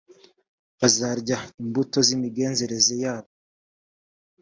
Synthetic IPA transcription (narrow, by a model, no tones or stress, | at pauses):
βazaɾɟaimbuto̞zimiɡe̞ːnze̞ɾe̞ze̞jaːβo